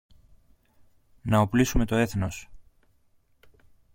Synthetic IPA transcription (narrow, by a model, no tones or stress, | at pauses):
nɐoplisume̞t̪o̞e̞θno̞s